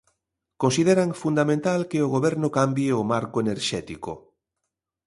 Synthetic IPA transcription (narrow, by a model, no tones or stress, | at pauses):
kõnsiðeɾaŋfund̪amẽnt̪alkeoɣoβɛɾnokambjeomaɾkoeneɾʃɛt̪iko̰